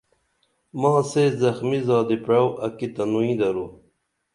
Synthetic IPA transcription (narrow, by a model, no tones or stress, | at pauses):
mɑ̃ːseːzɐxmizɑːd̪ipɻawʔɐkit̪ɐnuĩd̪ɐɾu